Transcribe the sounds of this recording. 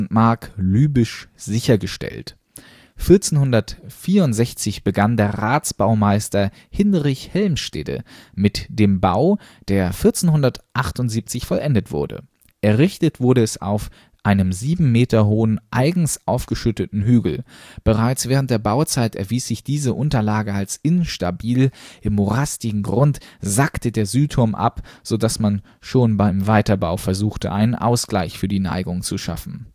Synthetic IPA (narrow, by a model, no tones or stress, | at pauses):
n̩tmaɐklyːbɪʃz̥ɪçɐɡəʃtɛ̰lt | fɪɐt͡senhʊndɐtfiːɐʊntz̥ɛçt͡sɪçb̥əɡandeːɐʁaːt͡sb̥aʊmaɪstɐ | hɪnʁɪçhɛlmʃtḛːdə̰mɪtd̥eːmbaʊ | d̥eːɐfɪɐt͡senhʊndɐtʔaχtʊntz̥iːp̚t͡sɪçfɔlʔɛndətv̥ʊ̰ɐdə̰ | ʔɛɐʁɪçtətv̥ʊɐɾəɛsa̰ʊf | ʔaɪnəmziːbm̩meːtɐɦoːənʔaɪɡŋ̩sʔaʊfɡ̥əʃʏtətn̩ɦyːɡl̩b̥əʁaɪt͡sv̥ɛːʁ̞əntd̥eːɐbaʊt͡saɪtɛ̰ɐviːsz̥ɪçd̥iːzəʔʊntɐlaːɡəalsʔɪnʃtabiːlʔɪmːoʁastɪɡŋ̩ɡʁʊntz̥aktədeːɐzyːtʰːʊɐmʔa̰pz̥odasman | ʃoːnbaɪmvaɪtɐbaʊfɛɐzuːxtə̰ʔaɪnənʔa̰ʊsɡ̥laɪçfyːɐdiːna̰ɪɡʊŋt͡suʃa̰fn̩